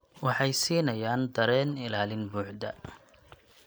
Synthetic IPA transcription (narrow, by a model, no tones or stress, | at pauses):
wɑħɑjsiːnɐjaːnd̪ɐɾɛːnɪlaːlɪnbuːʕd̪ɐ̰